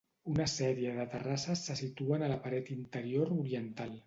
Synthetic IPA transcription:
unəsɛɾiəðət̪ərasəsːəsit̪uənələpəɾɛt̪int̪əɾioɾuɾiənt̪alˠ

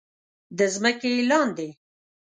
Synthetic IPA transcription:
d̪əzməkelɑnd̪e

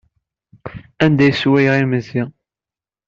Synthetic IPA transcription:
ænd̪æjswæjʁiməzi

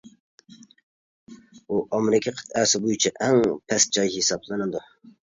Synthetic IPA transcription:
uʔɑmɾɪkʲʰɛqʰɨ̥t̪æsɪbujit͡ʃʰɛʔɛŋpʰɛs̚d͡ʒɑjhisɑblˠɨnɨd̪u

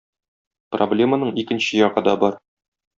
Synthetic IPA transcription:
problʲe̞mənɤɴikɘ̆nɕɘjɒʁɤd̪ɒbɒɾ

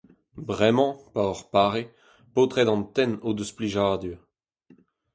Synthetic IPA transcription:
bʁɛmɑ̃paɔʁpaːʁe | pot̪ʁɛd̪ɑ̃nt̪ɛnod̪əspliʒad̪y

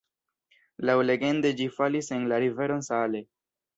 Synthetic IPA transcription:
lawle̞ɡe̞nde̞d͡ʒifalise̞nlaɾive̞ɾo̞nsale̞

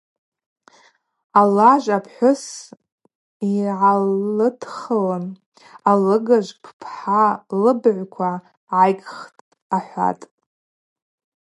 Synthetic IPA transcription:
alaʒʷapʰħʷʊs | iʕalɨtʰχalan | alɨɡaʒʷpʰpʰħalɨbʕʷkʷʰa | ʕajɡʼχtʼ | aħʷa̰tʼ

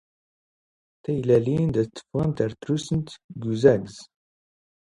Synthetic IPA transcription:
t̪æjlælind̪æt͡s̪ːə̥fʁənt̪æɾt̪ɾusənt̪ɡuzæɡz̥

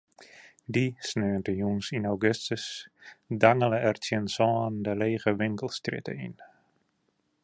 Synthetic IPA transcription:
disnøːntəjunsinawɡøstəsdaŋələɛrtjənsɔːndəleːɣəʋɪŋkəlˠstrɪ̰tə̰ḭn

